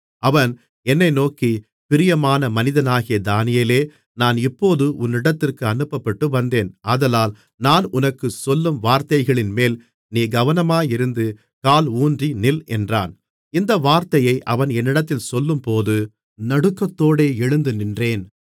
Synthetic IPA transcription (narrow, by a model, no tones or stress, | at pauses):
ɐʋɐn | ɛnːɐɪnoːki | pɪɾɪjɐmaːnɐmɐnɪðɐnaːɣɪjɐd̪aːnɪjeːleː | naːnɪpːoːðɯʔʊnːɪɽɐt̪ːɪrkɯɐnɯpːɐpːɐʈːɯʋɐnd̪eːnaːðɐlaːl | naːnʊnɐkːɯsɔlːɯmʋaːɾt̪ɐɪɣɐɭɪnmeːl | niːɡɐʋɐnɐmaːjɪɾɯnd̪ɯ | kaːluːndrinɪlɛndra̰ːn | ɪnd̪ɐʋaːɾt̪ɐjɐɪʔɐʋɐnɛnːɪɽɐt̪ːɪlsɔlːɯmpoːðɯ | nɐɽɯkːɐt̪ːoːɽeːɛɻɯnd̪ɯnɪndreːn